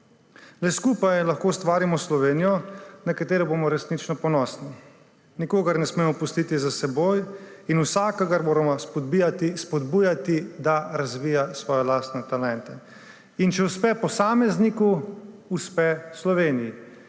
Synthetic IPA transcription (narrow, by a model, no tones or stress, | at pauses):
lɛskuːpajlaxkoːst̪ʋaːɾimɔslɔʋeːnijɔnakat̪eːɾɛboːmɔɾɛsnit͡ʃnɔpɔnɔːsni | nikoːɡaɾnɛsmeːmɔpust̪iːt̪izasɛboːjinusaːkɔɡaɾmoːɾamɔspɔt̪ispɔd̪buːjat̪id̪aɾazʋiːjasʋɔːjɛlaːst̪nɛt̪alɛnt̪ɛ | int͡ʃɛuspɛpɔsaːmɛznikuː | spɛslɔʋeːniji